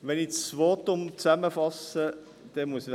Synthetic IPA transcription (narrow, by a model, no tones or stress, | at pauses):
ʋɛnivoːt̪ːʊmt͡sæməfɑsə | d̪̥ɛmuəs